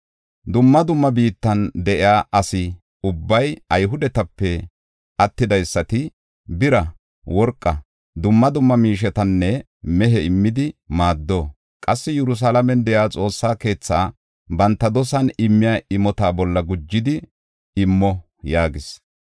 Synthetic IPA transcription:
d̪ʊmːɐd̪ʊmːɐbiːt̪ːɐnd̪ɛʔɪjaːʔɐsɪ | ʊbːɐjɐjɦʊd̪ɛt̪ɐpːɛ | ʔɐt̪ːɪd̪ɐjsːɐt̪ɪ | bɪɾɐ | wɔɾkʼːɐ | d̪ʊmːɐd̪ʊmːɐmiːʃ̬ɛt̪ɐnːɛ | mɛɦɛɪmːɪd̪ɪmaːd̪ːoː | kʼɐsːɪjɛɾʊs̬alɐmɛnd̪ɛʔjaːt͡sʼo̞ːsːaːke̞ːt͡sːaː | bɐnt̪ːɐd̪ɔsɐnɪmːɪjaɪmɔt̪aːbɔlːɐɡʊd͡ʒːɪd̪ɪ | ɪmːɔ | jaːɡɪs

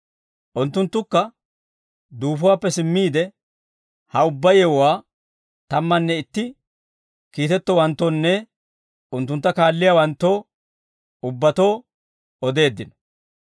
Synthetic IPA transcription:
ʔʊnt̪ːʊnt̪ːʊkːɐ | d̪uːfʊwaːpːɛsɪmːiːd̪ɛ | hɐʊbːɐjɛwaː | t̪ɐmːɐnːɛɪt̪ːɪ | kiːt̪ɛt̪ːɔwɐnt̪ːonːɛ | ʊnt̪ːʊnt̪ːɐkaːlːɪjawɐnt̪ːoː | ʊbːɐt̪o̞ː | ɔd̪e̞ːd̪ːɪnɔ̥

